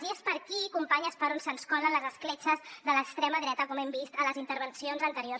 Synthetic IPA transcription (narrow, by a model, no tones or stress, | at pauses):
ziəspəɾkikumpaɲəspəɾonsənskɔlənləzəsklɛt͡ʃəzðələkst̪ɾɛməðɾɛt̪əkɔmɛmbist̪ələzint̪əɾβ̞ənsionzənt̪əɾiors